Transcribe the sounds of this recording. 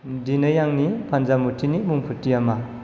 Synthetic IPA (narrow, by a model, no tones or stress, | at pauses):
dinɯjaŋnipʰanzamutʰinimuŋpʰutijama